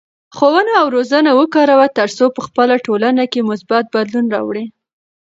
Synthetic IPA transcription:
xowənaːwɾozənawəkɑɾawat̪əɾsopəxpəlaʈolanakemʊsbat̪̚bad̪lunɾɑ̰wɽi

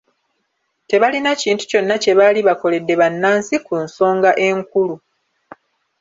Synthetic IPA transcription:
te̞βalinaciːntu̥co̞nːace̞βaliβako̞le̞dːe̞βanːaːnsikunso̞ːŋɡaʔe̞ŋkulu

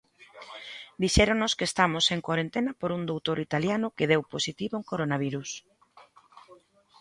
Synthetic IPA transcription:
d̪iʃɛɾonoskeːst̪amoseŋkwaɾent̪enɐpoɾund̪owt̪oɾit̪aljanʊkeð̞ɛwposit̪iβoŋkoɾonaβ̞iɾus

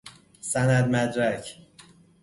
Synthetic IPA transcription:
sænæd̪̚mæd̪ɾæcʰ

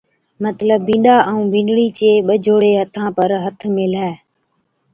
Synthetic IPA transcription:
mət̪ləbːĩːɗaːʔəũːbʱĩːɖɽiːt͡ʃeːɓəd͡ʒʱoːɽeːɦət̪ʰãːpəɾɦət̪ʰmẽːlaː

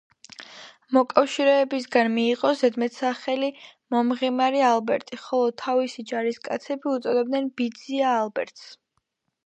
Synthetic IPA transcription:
mɔkʼafʃiɾɛːbisɡanmiːʁʼɔzɛd̪mɛt̪ʰsaχɛlimɔmʁimaɾialˠbɛɾt̪ʼiχɔlˠɔt̪ʰːavisid͡ʒaɾiskʼat̪sʰɛbiut̪sʼɔd̪ɛb̚d̪nɛnbid̪ziaːlˠbɛ̰ɾt̪ʰs

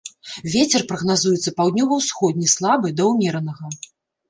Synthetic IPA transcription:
vʲet͡sʲɛrpɾɐɣnazujɛt̪sːɐpawd̪ʲnʲɔvɐwsxɔd̪̚ʲnʲislˠabɨd̪ɐwmʲɛɾɐnɐɣɐ

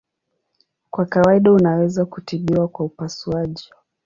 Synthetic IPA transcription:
kwakawaiɗaunawɛzakutiɓiwakwaupasuaʄi

